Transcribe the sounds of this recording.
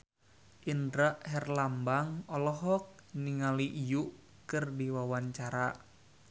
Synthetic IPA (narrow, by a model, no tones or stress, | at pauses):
ʔindɾaʔɦɛrlambaŋɔlɔɦɔk̚niŋaliʔːjuʔ | kɨrdiwawaɲt͡ʃaɾa